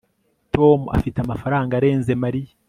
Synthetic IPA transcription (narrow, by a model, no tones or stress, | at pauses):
to̞ːmuʔa̰fiteamafaɾaːŋɡaɾe̞ːnze̞maɾija